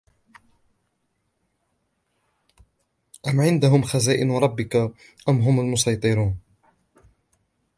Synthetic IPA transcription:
ʔamʕɪnd̪aɦʊmxazaːʔɪnɾˤɑbːɪka | ʔamɦʊmalmʊsɑjt̪ˤɨɾuːn

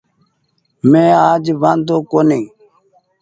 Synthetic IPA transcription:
mẽːaːd͡ʒʋãːnd̪õːkoːniː

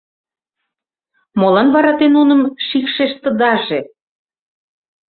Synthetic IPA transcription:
molɑnβɑɾɑt̪enunəmʃikʃeʃt̪ə̆d̪ɑʒe

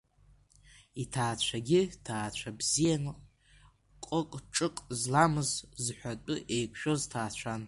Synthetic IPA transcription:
itʰaːt͡ɕʷʰaɡʲitʰaːt͡ɕʷʰabzijan | qʼəkʼʈ͡ʂʼɨqʼzlamɨzzħʷᶣat͡pʼɨʔe̞jkʷʰʼʃᶣo̞ztʰaːt͡ɕʷʰan

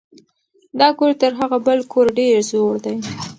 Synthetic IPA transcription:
d̪ɑkoɾt̪əɾɦaɣabəlkʰoɾɖeɾzoɽd̪aj

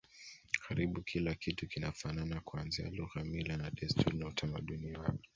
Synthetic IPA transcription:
kʰaɾiɓukʰilakitukinafananakuanzia̰luɣamilanaɗɛstʰuɾnautʰamaɗuniwakɔ

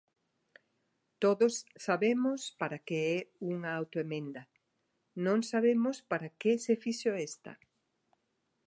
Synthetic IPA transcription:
t̪oðosːaβemʊspaɾakeɛuŋɐawt̪oemẽnd̪ɐ | nõŋsaβemʊspaɾakesefiʃoest̪ɐ̰

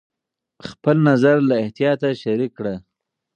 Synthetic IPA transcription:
xpəlnazaɾlaɪht̪ijɑt̪aʃaɾikːɽa

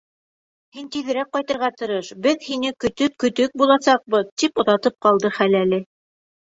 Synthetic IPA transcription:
hint̪iðɘ̆ɾæk̚qɑjt̪ɤ̆ɾʁɑt̪ɤ̆ɾɤʃbɘðhinɘkɵ̆t̪ɵp̚kɵ̆t̪ɵk̚bulˠɑsɑq̚bɤðt̪ipŏðɑt̪ɤp̚qɑlˠd̪ɤχælælɘ

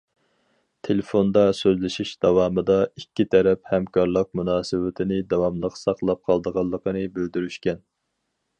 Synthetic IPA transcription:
t̪ʰelefond̪ɑsøzlɪʃiʃd̪̥ɑwɑːmɨd̪ɑikʲːit̪ʰɛɾɛphɛmkʰɑɾlˠəq̚munɑːsɨwɪt̪ʰɪnɪd̪ɑwɑmlˠəqsɑqlˠɑp̚qʰɑlˠd̪əʁɑlˠːəqʰənɨbøld̪yɾyʃkʲɛn

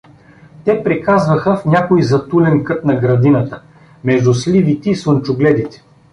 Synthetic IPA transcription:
t̪ɛpɾɛkazvɐxəfnʲakʊjzɐt̪ulɛnkɤt̪nɐɡɾɐd̪inət̪ə | mɛʒd̪ʊslʲivit̪ɛisˠənt͡ʃʊɡlɛd̪it̪ɛ̥

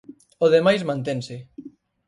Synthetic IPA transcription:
oðemajzmãnt̪ẽnsɪ

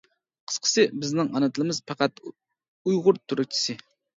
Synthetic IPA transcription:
qʰə̥sqʰə̥sɨbɪznɪŋʔɑnɨt̪ʰɨlˠɨmɨz̥pʰɑqɑt̪ | ujʁʊɾt̪ʰyɾɪk̚t͡ʃʰi̥sɨ

